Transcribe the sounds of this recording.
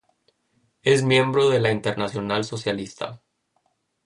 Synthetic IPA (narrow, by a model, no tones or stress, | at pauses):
ezmje̞mbɾo̞ðe̞laint̪e̞ɾnasjo̞nalso̞sjalist̪ʰa̰